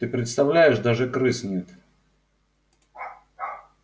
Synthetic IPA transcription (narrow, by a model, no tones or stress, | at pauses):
t̪ɨpɾʲɪt̪st̪ɐvlʲæjɪʂd̪aʐɨkɾɨsnʲɪt̪